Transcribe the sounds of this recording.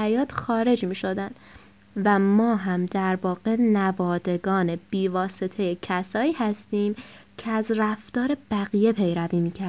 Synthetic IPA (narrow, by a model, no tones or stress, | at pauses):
æjɒːt̪xɒːɾe̞d͡ʒmiːʃo̞d̪ænd̪̥ | væmɒːɦæmd̪æɾvɒːɣe̞nævɒːd̪e̞ɡɒːne̞b̥iːvɒːse̞t̪ʰe̞je̞cʰæsɒːiːhæst̪iːmcʰeæzræft̪ɒːɾe̞b̥æɣije̞pʰe̞jɾæviːmiːcʰæɾ